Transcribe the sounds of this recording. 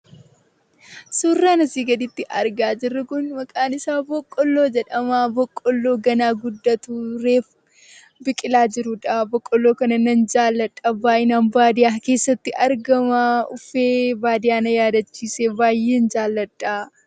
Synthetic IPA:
suːrːaːnɐsiːɡɐd̪ɪt̪ːɪʔɐɾɡaːd͡ʒɪrːɐkʊnmɐkʼaːnɪsaːbɔkʼːɔlːo̞ːd͡ʒɛᶑɐmaːbɔkʼːɔlːo̞ːɡɐnaːɡʊd̪ːɐt̪uɾeːf | bɪkʼɪlaːd͡ʒɪɾʊᶑabɔkʼːɔlːoːkɐnɐnɐnd͡ʒaːlːɐᶑʼːɐbaːʔɪnaːnbaːd̪ɪjaːke̞ːsːɐt̪ːɪʔɐɾɡɐmaʊfeːbaːd̪ɪjaːnɐjaːd̪ɐt͡ʃːiːseːbaːjːe̞ːnd͡ʒaːlːɐᶑʼa

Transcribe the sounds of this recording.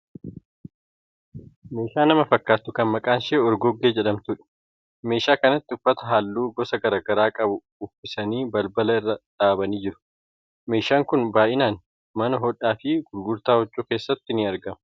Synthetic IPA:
me̞ːʃaːnɐmɐfɐkːaːt̪ːʊkɐnmɐkʼaːnʃeːɔɾɡɔɡːeːd͡ʒɛɗɐmt̪ʊᶑɛ̥ | me̞ːʃaːkɐnɐt̪ːɪʊfːɐt̪ɐɦaːlːuːɡɔsɐɡɐɾaːɡɐɾaːkʼɐbʊ | ʊfɪsɐniːbɐlbɐlɐɪrːɐᶑaːbɐniːd͡ʒɪɾʊ̥ | me̞ːʃaːŋkʊnbaːjʔɪnaːn | mɐnɐɦɔᶑaːfɪɡʊɾɡʊɾt̪aːɔt͡ʃʼːuːke̞ːsːɐt̪ːɪnɪɐɾɡɐmɐ

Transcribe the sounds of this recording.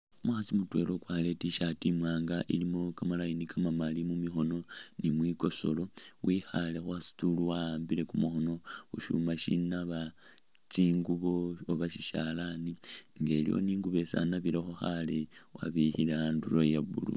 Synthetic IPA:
mwaxat͡simutwe̞lo̞kwale̞tiʃatimwaːŋɡaʔḭlimokamalainikʰamamalimumixo̞no̞nimwiko̞so̞̰lo̞wixale̞xwasi̥tuluwaaːmbile̞kumuxo̞no̞xuʃṵmaʃḭnaβa | t͡siːŋɡuβooβaʃiʃalaniŋɡelḭjo̰niːŋɡuβe̞sa̰naβiɾexoxalewa̰βihileaandulojaβṵlṵ

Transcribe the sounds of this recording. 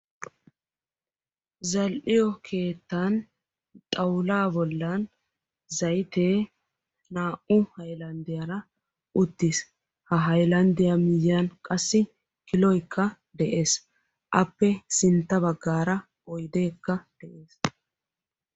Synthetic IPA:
zɐlʔɪjɔkʰe̞ːt̪ːan | t̪ʼɐwlaːbɔlːɐn | zɐjt̪e̞ː | naːʔʊhɐjlɐnd̪ɪjɐɾɐ | ʔʊt̪ːis | hɐɦɐjlɐnd̪ɪjɐmɪjankʼɐsːɪ | kɪlɔjkʰːɐ | d̪ɛʔe̞ːs | ʔɐpːɛsɪnt̪ːɐbɐɡːaːɾɐ | ɔjd̪eːkːɐd̪̥ɛʔe̞ːs

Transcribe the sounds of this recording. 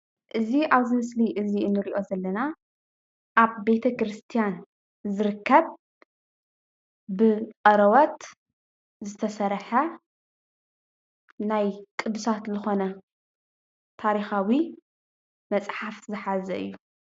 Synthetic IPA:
ʔɨziʔaβzɨmɨsliʔɨziɨnːɨɾiʔo̞zɐlːɐna | ʔaβbe̞t̪ʰɐkɾɨst̪ʰijan | zɨɾɨkʰːɐβ | bɨqʼɐɾɐwot̪ | zɨt̪ʰɐsɐɾħɐ | najkʼɨd̪ɨsat̪zɨxo̞nɐ | t̪ʰaɾixawi | mɐt͡sʼħafzɨħazɐ̰ʔɨ̰jːu

